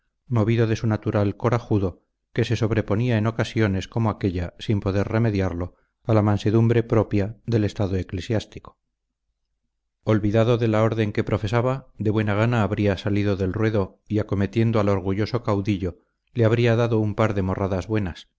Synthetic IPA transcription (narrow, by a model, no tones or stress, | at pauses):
mo̞βiðo̞ðe̞sunat̪uɾalko̞ɾaxuðo̞ | ke̞se̞so̞βɾe̞po̞niaeno̞kasjo̞ne̞sko̞moake̞ʎasimpo̞ðe̞ɾre̞me̞ðjaɾlo̞ | alamãnse̞ðumbɾe̞pɾo̞pjaðe̞le̞st̪aðo̞e̞klesjast̪i̥ko̥ | o̞lβiðaðo̞ðe̞lao̞ɾðe̞ŋke̞pɾo̞fe̞saβaðeβwe̞naɣ̞anaːβɾiasaliðo̞ðelrwe̞ðo̞ | iako̞me̞t̪je̞nd̪oalo̞ɾɣuʝo̞so̞kawðiʎo̞ | leaβ̞ɾiaðaðo̞umpaɾðe̞mo̞raðazβwe̞nas